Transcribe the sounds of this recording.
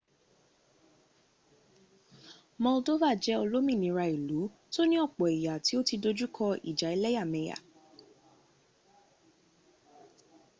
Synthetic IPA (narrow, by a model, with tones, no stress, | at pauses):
mɔ̃˧o˧to˦va˦˨d͡ʒɛ˨˦o˧lo˦mĩ˦˨nĩ˨˦ɾa˧i˨lu˨˦ | to˦nĩ˦ɔ˦˨k͡pɔ˨i˨ja˨ti˨˦o˦ti˧do˧d͡ʒu˦kʰɔ˧ḭ˨d͡ʒa˨i˧lɛ˦ja˦˨mɛ̃˧˨ja̰˨